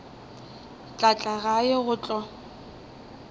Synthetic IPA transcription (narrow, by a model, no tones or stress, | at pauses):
t͡ɬʼat͡ɬʼaɣajɪɣʊt͡ɬʼɔ